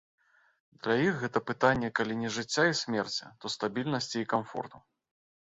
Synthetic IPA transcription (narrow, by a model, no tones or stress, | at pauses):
d̪lʲajixɣɛt̪ɐpɨt̪anʲːɛkalʲinʲɛʐɨt͡sʲːaisʲmʲɛrt͡sʲɐ̰t̪ɔst̪abʲilʲnɐsʲt͡sʲiːkamfɔ̰rt̪u